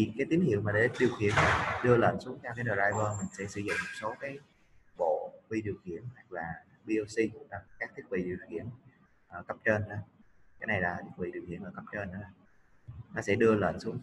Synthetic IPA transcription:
i˨˩kaː˨˦t̪i˨˦nŋhḭ˧˨əwmaː˨˩ɗe˧˨˦ɗi˨˩əwxḭ˧˨ən˨˦ɗɨ˧ələː˧˨˩nsu˨˦əŋt̪ʰɛ˧wkaː˨˦jnə˨˩zaː˧jvəː˧mï˨˩ŋ̟sɛ̰˧˥sɨ̰˧˨zʊ̰˧˨ŋ͡mmo˨˩t̚so˨˦kaː˨˦j | ɓo̰˧˨vi˧ɗi˨˩əwxḭ˧˨ənha˨˩jk̚laː˨˩ | ɓi˧o˧si˧ŋ˧˩ʔaː˨˩kaː˦˥k̚t̪ʰi˦˥k̚ɓḭ˧˨ɗi˨˩əwxḭ˧˨ən | ʔəː˨˩kə˦˥p̚t͡ɕəː˧nʔkaː˨˦jna˨˩jlaː˨˩t̪ʰi˦˥k̚vḭ˧˨ɗi˨˩wxḭ˧˨ənʔəː˨˩kə˦˥p̚t͡ɕəː˧nʔəː˨˦˨ | nɔ˨˦sɛ̰˧˥ɗɨ˧ələː˧˨nsu˨˦ŋ

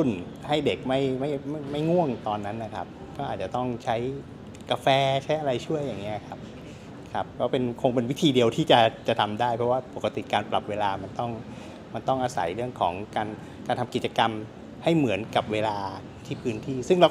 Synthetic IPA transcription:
u˥˩n | ha˥˩jde˨˩k̚ma˥˩jma˥˩jma˥˩jma˥˩jŋu˥˩əŋt̪ɔː˧nːa˦˥nːa˧˥kʰa̰˦˥p̚ | kɔː˥˩ʔaː˨˩t̪̚t͡ɕa˨˩t̪ɔ˥˩ŋt͡ɕʰa˦˥j | ka˧fɛː˧t͡ɕʰa˦˥jʔa˧ɾa˧jt͡ɕʰu˥˩əjːaː˨˩ŋːi˦˥ʔkʰa˦˥p̚ | kʰa˦˥p̚kʰɔː˦˥˩pe˧nkʰo˧ŋpe˧nwi˦˥t̪ʰiː˧di˧əwt̪ʰiː˥˩t͡ɕa˨˩t͡ɕa˨˩t̪ʰa˧mdaː˥˩jpʰɾɔ˦˥waː˥˩po˨˩ka˧t̪ḭ˨˩kaː˧npla̰˨˩p̚weː˧laː˧ma˧nt̪ɔ˥˩ŋ | ma˧nt̪ɔ˥˩ŋʔaː˧sa̰˩˦jɾɯ˥˩əŋkʰɔ̰ː˩˦ŋkaː˧n | kaː˧nt̪ʰa˧mki˨˩t̪t͡ɕa˧ka˧m | ha˥˩jmɯ˩˦ənka˨˩p̚weː˧laː˧ | t̪ʰiː˥˩pʰɯː˦˥nt̪ʰiː˥˩sɯ˥˩ŋɾa˧w

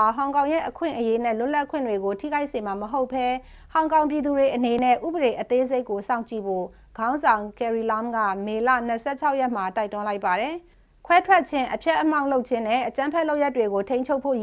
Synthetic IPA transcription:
ɦã˨ʊ̃kã˨ʊ̃jɛ̰˦ʔəkʰwɪ̰̃˦˨ʔəje˦nɛ̰˦˨lʊ˦ʔla˦kʰwɪ̰̃˦˨ndwe˨ɡo˨tʰḭ˦˨ɡa˦ɪʔse˨ma˨məɦo˦ʊpʰːɛ˦ | hã˨ʊ̃ŋkã˨ʊ̃mp̬ji˨d̪u˨de˨ʔəne˨nɛ̰˦˨ʔṵ˦˨bə˨ɾe˨ʔət̪e˦ze˦ɪkːo˨sã˦ʊ̃ɲt͡ɕḭ˦˨bo̰˦˨ | ɡ̥ã˦ʊ̃nzã˨ʊ̃kɛ˨ɹi˨lã˦mɡä̰˦˨me˨la̰˦˨n̥əsɛ̰˦˨t͡ɕʰa˦ʊjɛ˦˨m̥a˨ta˦ɪtʊ̃˦la˦ɪpa˨ɾɛ˨ | kʰwɛ˦tʰwɛ˦˨t̚t͡ɕʰɪ̃˦ʔəpʰjɛ˦ʔːəm̥ã˦˨ʊ̃lo˦ʊt͡ɕʰɪ̃˦nɛ˦˨ʔət͡ɕã˦mpʰɛ˦ʔlo˦ʊjaɛ˦tːwe˨ɣo˨tʰẽ˦ɪ̃ɲt͡ɕʰo˦ʊpʰːo̰˦˨

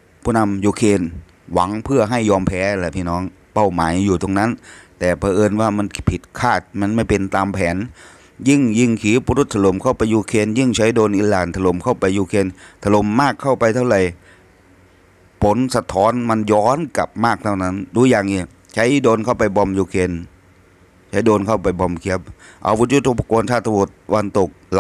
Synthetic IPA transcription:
pʰuː˧˥˩na˧mjuː˧kʰeː˧n | wa˩˦ŋpʰɯ˥˩ɐɦa˥˩jːɔː˧mpʰɛː˨˧˥lɛ˧˩pʰiː˧˩nɔː˦˥ŋ | pa˥˩wmaː˩˦jːuː˨˩t̪o˧ŋna˦˥nt̪ɛː˨˩pʰaː˧ʔɤː˧nwaː˥˩ma˧npʰi˨˩t̪̚kʰaː˥˩t̪̚ma˧nma˥˩jpe˧nt̪aː˧mpʰɛː˩˦n | ji˥˩ŋji˧˥˩ŋkʰiː˨˦bu˧ɾu˦˩t̪ʰːa˧lo˨˦mkʰa˥˩wpa˧jːuː˧kʰeː˧njɯ˧˥˩ŋt͡ɕʰa˦˥jdoː˧nʔiː˧˥laː˨˩nt̪ʰa˧lo˨˩˦mkʰa˥˩wpa˧jːuː˧kʰeː˧nt̪ʰa˧lo˨˦mːaː˥˩kʰːa˥˩wpa˧jt̪ʰa˥˩wɾa˨˩j | pʰo˨˦nsa˧t̪ʰɔː˦˥nma˧njɔː˦˥nka̰˨˩p̚maː˥˩k̚t̪ʰa˧˥˩wna˦˥nduː˧˦jaː˨˩ŋʔiː˧˩ | t͡ɕʰa˦˥jdoː˧nkʰa˥˩wpa˧jbɔ˧mjuː˧kʰeː˧n | t͡ɕʰa˦˥jdoː˧nkʰa˥˩wpa˧jbɔ˧mkʰi˦˥əp̚ʔa̰˧wu˦˥t̪̚ju˦˥t̪u˧˩pʰa˧ko˧nt̪ʰaː˥˩t̪ʰːbu˨˩t̪̚wa˧nt̪o˨˩k̚l

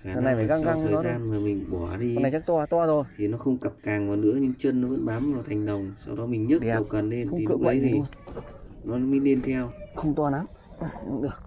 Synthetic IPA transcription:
xaː˨˦a˨a˨jvaː˨˧˨a˧ŋka˧ŋt̪ʰəː˨˩˦zaː˧nmaː˨˩mï˨˩ŋ̟ɓɔ˧˩ɗi˧˨na˨˩t͡ɕaː˦˥k̚t̪waː˧˩t̪waː˧zo˨˩jt̪ʰi˨˩nɔ˨˦xə˧wŋ͡mkə˨˩p̚kaː˨˩ŋvaː˨˩nɨ̰˧˥əɲɨ̰˧˥ŋt͡ɕə˧nːɔ˨˦və̰˧˥nɓaː˨˦mvaː˨˩t̪ʰa˨˩jŋ̟ɗə˨˩wŋ͡msa̰˧wɗɔ˨˦mi˨˩ŋ̟ɲə˦˥ə̰˧˨˩wkə˨˩nle˧n̰˧˥i˨˩kɨ̰˧˨ə˨˦t̪ʰi˨˩ | nɔ˨˦lmi˨˧˦ɗe˧nt̪ʰɛ˧wxə˧wŋ͡mt̪waː˧na˨˦m˨˩˧ | ɗɨ˨˧˩ək̚

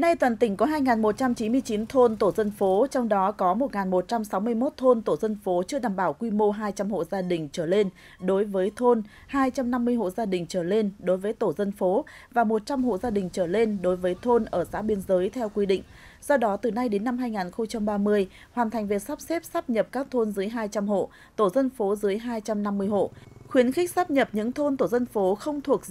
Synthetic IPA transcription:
na˧jt̪waː˨˩nt̪ï˧˩ŋ̟kɔ˨˦ɦaː˧jŋaː˨˩nmo˨˩t̚t͡ɕa˧mt͡ɕi˨˦mɨ˧əjt͡ɕi˨˦nt̪ʰo˧nt̪o˧˩zə˧nfo˨˦t͡ɕɔ˧wŋ͡mɗɔ˨˦kɔ˨˦mo˨˩t̚ŋaː˨˩nmo˨˩t̚t͡ɕa˧msa˨˦wmɨ˧əjmo˦˥t̚t̪ʰo˧nt̪o˧˩zə˧nfo˨˦t͡ɕɨ˧əɗaː˧˩mɓaː˧˩wkwi˧mo˧ɦaː˧jt͡ɕa˧mho̰˧˨zaː˧ɗï˨˩ŋ̟t͡ɕəː˧˩le˧n | ɗo˨˦jvəː˨˦jt̪ʰo˧n | haː˧jt͡ɕa˧mna˧mːɨ˧əjɦo̰˧˨zaː˧ɗï˨˩ŋ̟t͡ɕəː˧˩le˧nɗo˨˦jvəː˨˦jt̪o˧˩zə˧nfo˨˦ | vaː˨˩mo˨˩t̚t͡ɕa˧mɦo̰˧˨zaː˧ɗï˨˩ŋ̟t͡ɕəː˧˩le˧nɗo˨˦jvəː˨˦jt̪ʰo˧nʔəː˧˩sa̰ː˧˥ɓi˧ənzəː˨˦jt̪ʰɛ˧wkwi˧ɗḭ˧˨ŋ̟ | zɔ˧ɗɔ˨˦t̪ɨ˨˩na˧jɗe˨˦nːa˧mɦaː˧jŋaː˨˩nxə˧wŋ͡mt͡ɕa˧mɓaː˧mɨ˧əj | hwaː˨˩nt̪ʰa˨˩ŋ̟vi˨˩ət̚saː˦˥p̚sɛ˦˥p̚saː˦˥p̚ɲə˨˩p̚kaː˦˥k̚t̪ʰo˧nzɨ˨˦əjɦaː˧jt͡ɕa˧mɦo̰˧˨ | t̪o˧˩zə˧nfo˨˦zɨ˨˦əjɦaː˧jt͡ɕa˧mna˧mːɨ˧əjɦo̰˧˨xwi˨˦ənxɪ˦˥k̟̚saː˦˥p̚ɲə˨˩p̚ɲɨ̰˧˥ŋt̪ʰo˧nt̪o˧˩zə˧nfo˨˦xə˧wŋ͡mt̪ʰu˨˩ək̚

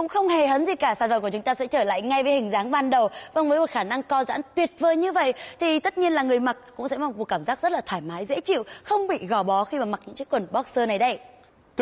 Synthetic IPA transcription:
kʊ̰˧˥ŋ͡mxə˧wŋ͡mhe˨˩ɦəː˨˦nzi˨˩kaː˧˩saː˧˩və˨ku˧˩t͡ɕʊ˨˦ŋ͡mt̪aː˧sɛ̰˧˥t͡ɕəː˧˩la̰ː˧˨jŋa˧jvəː˨˦jhï˨˩ŋ̟zaː˨˦ŋɓaː˧nɗə˨˩wvə˧˩nvəː˨˦jmo˨˩t̚xaː˧˩na˧ŋkɔ˧za̰ː˧˥nt̪wi˨˩ət̚vəː˨˩jɲɨ˧və̰˧˨jʔt̪ʰi˨˩t̪ə˦˥t̚ɲi˧ənlaː˨˩ŋɨ˨˩əjma˨˩t̚kʊ̰˧˥ŋ͡msɛ̰˧˥va˨˩˨u˨˩kaː˧˩mzaː˦˥k̚zt̚laː˨˩t̪ʰaː˧˩jmaː˨˦jzḛ˧˥t͡ɕḭ˧˨wxə˧wŋ͡mɓḭ˧˨ɣɔ˧˩ɓɔ˨˦xi˧maː˨˩ma˨˩k̚ɲɨ̰˧˥ŋt͡ɕi˦˥kwə˨˩nɓɔ˦˥k̚səː˧na˨˩jɗə˧j

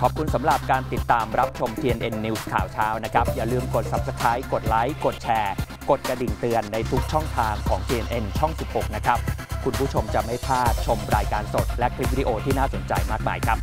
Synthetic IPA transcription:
kʰɔː˨˩p̚kʰu˧nsa˩˦mɾa˨˩p̚kaː˧nt̪i˨˩t̪ːaː˧mɾa˦˥p̚t͡ɕʰo˧mt̪ʰiː˧ʔe˧nʔe˧nːiː˧˦˥skʰa̰ː˨˩wt͡ɕʰaː˦˥wna˦˥kʰa˦˥p̚jaː˨˩lɯː˧˩mko˨˩t̪̚sa˦˥p̚sa˧kʰa˦˥jko˨˩t̪̚la˦˥jko˨˩t̪̚t͡ɕʰɛː˧ | ko˨˩t̪̚kɾa˧di˨˩ŋt̪ɯ˧ənːa˧jt̪ʰu˦˥k̚t͡ɕʰɔ˥˩ŋt̪ʰaː˧ŋkʰɔ̰ː˩˦ŋt̪ʰiː˧ʔe˧nʔe˧nt͡ɕʰɔ˥˩ŋsi˨˩p̚ho˨˩k̚na˦˥kʰa˦˥p̚kʰu˧npʰu˥˩t͡ɕʰo˧mt͡ɕa˨˩ma˥˩jpʰaː˥˩t̪̚t͡ɕʰo˧mɾaː˧jkaː˧nso˨˩t̪̚lɛ˦˥kʰli˦˥p̚wi˦i˧ʔoː˧t̪ʰiː˥˩naː˥˩so˩˦nt͡ɕa̰˧jmaː˥˩k̚ma̰ː˧jkʰɾa˦˥p̚

